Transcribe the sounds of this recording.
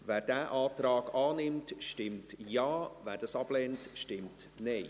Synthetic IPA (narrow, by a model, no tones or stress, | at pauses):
væːɾdæːʔaːtɾɑːɡɑːnɪmtʃtɪmtjɑːvæːɾdɑsɑb̥lɛːntʃtɪmtnɛɪ